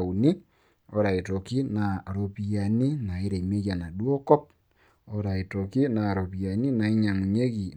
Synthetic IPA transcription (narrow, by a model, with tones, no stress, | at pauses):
u˨ni˦ | o˨˦ɾa˨i˨to˨ki˦na˨ɾo˨pi˨ja˨ni˦na˨i˦ɾe˨me˦ɣa˨na˨ɗwɔ˦kɔ˦p̚ | o˦ɾa˨i˨to˨ki˦na˨ɾo˨pi˨ja˨ni˦na˨i˦ɲa˨mu˨ɲe˦ɣi˨